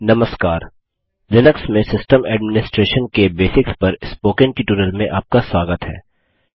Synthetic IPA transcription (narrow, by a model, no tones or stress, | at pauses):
nɐməskaːɾ | lɪnəksmẽsɪsʈəmɛːɖmɪnɪsʈɾeːʃənkebeːsɪkspɐɾɪspoːkɪ̃ŋʈɪʈuːɾəlmẽʔaːp̚kaswaːɡət̪ɦɛ̰ː